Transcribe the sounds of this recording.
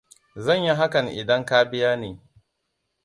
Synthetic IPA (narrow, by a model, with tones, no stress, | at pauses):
zɐ˦˨ɲji˦ɦa˦kɐ˨ŋʔɪ̰˨dɐ˦ŋkaː˦bɪ˦jaː˦neː˨